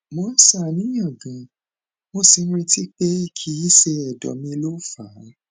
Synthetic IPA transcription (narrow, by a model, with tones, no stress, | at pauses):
mɔ̃˧˦sa˦˨nĩ˦jã˦˨ɡã˨ | mo˧si˨˧n̩˦ɾi˧ti˦k͡pe˦i˦˨kʰi˨˧˦i˦se˧ɛ˨dɔ̰˨mĩ˧lo˦˨fa˨˦